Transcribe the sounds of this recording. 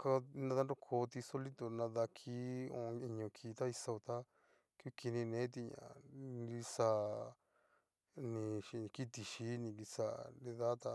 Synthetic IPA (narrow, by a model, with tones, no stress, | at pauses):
ka˧nã˧ða˦nɾo˦kʰo˨˧˦t̪i˧so˦li˦t̪o˧nã˧ða˧kʰi˦õ̰˧i˧ɲõ˧kʰi˧t̪a˦i˧sa˧t̪a˦ | ku˦ki˧nĩ˧nẽ˨˦t̪̬i˧ɲã̰˨ɾi˧sa˧ | nĩ˧ʃi˧ki˦t̪i˧ʃi˧˦nĩ˧ɡi˧sa˧ɾĩ˧ða˦t̪a˧